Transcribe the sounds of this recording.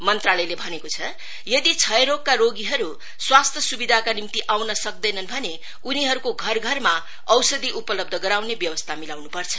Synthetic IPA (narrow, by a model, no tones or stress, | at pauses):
mʌnt̪ralʌjlebʱʌnekot͡sʰʌ | jʌd̪it͡sʰʌjɾokːaɾoɡiɦʌɾu | swast̪ʰjʌsubid̪ʱakanimt̪iʔawnʌsʌk̚d̪ʌjnʌnbʱʌne | uniɦʌɾukoɡʱʌrɡʱʌrma | ʌwsʌd̪iʔupʌlʌb̚d̪ʱʌɡʌɾawnebjʌwʌst̪ʰamilawnupʌrt͡sʰʌ̥